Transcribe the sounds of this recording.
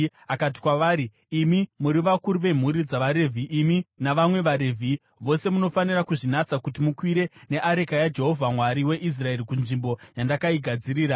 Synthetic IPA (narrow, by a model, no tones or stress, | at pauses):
akat̬i̥kwaʋaːɾiː | mimuɾiʋakuɾuʋe̞m̤uɾid͡zaʋaɾe̞vʱiminaʋamwe̞ʋaɾevʱi | ʋo̞se̞muno̞fanirakuʐinat͡sakut̬imukwiɾe̞ne̞ʔaɾe̞kajad͡ʒe̞ɦo̞vʱamwaɾiwe̞ʔis̬rae̞ɾikunʐimbo̞jandakaiɡʱad͡ziɾiːɾa